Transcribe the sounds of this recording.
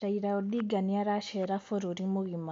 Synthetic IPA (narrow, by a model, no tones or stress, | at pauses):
aiɾaod̪iɡaniaɾaʃeɾafoɾuɾimuɣima